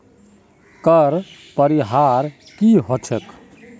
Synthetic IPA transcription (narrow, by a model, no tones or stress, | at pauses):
kəɾ | pəɾiɦaɾ | kiɦot͡ʃʰɛk